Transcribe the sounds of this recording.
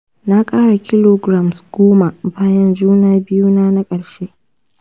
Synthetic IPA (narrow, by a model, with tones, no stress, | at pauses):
na˦kʼaː˦ɽa˨kʲɪ˦loː˨ɡɾa˨msɡ̥oː˦ma˨baː˦jɐ˦nd͡ʒuː˦naː˨bɪ˦juː˦naː˦na˦kʼɐ˨ɽʃe˦ʔ